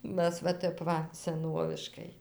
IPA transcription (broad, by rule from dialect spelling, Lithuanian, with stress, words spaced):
ˈmʲæs ʋɐ ˈtʲɛp ˈʋɐ sʲɛˈnoːʋʲɪʃkɐɪ